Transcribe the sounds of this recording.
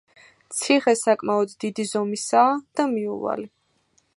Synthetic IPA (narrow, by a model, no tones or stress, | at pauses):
t̪sʰiχɛsakʼmaɔd̪d̪id̪izɔmisaːd̪̥amiṵva̰li